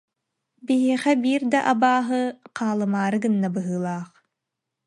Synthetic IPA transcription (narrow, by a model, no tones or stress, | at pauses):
biɦeːχɐbiːrd̪ɐʔɐbaːɦɨqʰɑːlˠɨmaːɾɨɡɨnːɐbɨɦɯːlˠɑːχ